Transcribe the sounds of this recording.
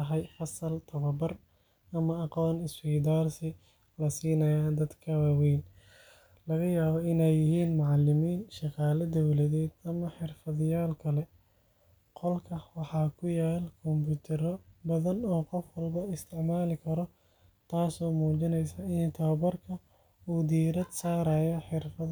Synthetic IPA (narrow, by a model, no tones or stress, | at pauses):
ɦɛjfɐsɐlt̪ʰɐβɐbɐr | ɐmɐɑqɔːnɪsfɛːd̪aːrsɪ | lɐsiːnɐjaːd̪ɐd̪kʰɐwawɛːn | lɐɣɐjaːβɔɪnɛjːɪɦiːnmʊʕɑlːɪmiːnʃɑqɑːlɐd̪ɔwlɐðɛːd̪ɐmɐħɪrfɐðɪjaːlkʰɐlɛ | qɔlkʰɐwɑħɑːkʰʊjaːlkʰɔmbuːt̪ʰɛɾɔbɐðɐnɔːqɔfwɐlbɐɪst̪ʰɪʕmaːlɪkʰɐɾɔ | t̪ʰaːsɔːmuːt͡ʃɪnɛjsɐɪnt̪ʰɐβɐbɐrkʰɐ | uːd̪iːɾɐd̪saːɾɐːjɔħɪrfɐ